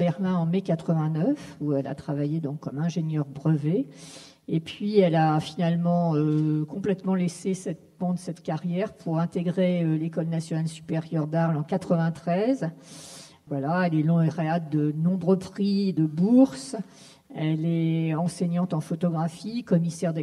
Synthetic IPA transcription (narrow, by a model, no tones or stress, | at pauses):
bɛʁlɛ̃ɑ̃mekat̪χəvɛ̃nœfuɛla̰t̪χavajed̪ɔ̃kʰːɔmɛ̃ʒeɲjœʁbʁəve | epɥiɛlafinalmɑ̃økɔ̃plɛt̪mɑ̃lesesɛt̪bɑ̃d̪əsɛt̪kʲaʁjɛʁpʰuʁɛ̃t̪eɡʁeølekɔlnasjɔnalsy̥peʁjœʁd̪aʁlɑ̃kat̪χəvɛ̃t̪χɛz | vwalaɛlɛlɔ̃eʁeat̪̚d̪ənɔ̃bʁøpχid̪əbuʁs | ɛlɛɑ̃seɲɑ̃t̪ɑ̃fɔt̪ɔɡʁafikɔmisɛʁd̪e